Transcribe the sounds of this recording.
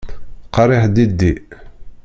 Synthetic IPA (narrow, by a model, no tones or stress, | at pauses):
qɑɾˤiħd̪id̪ːi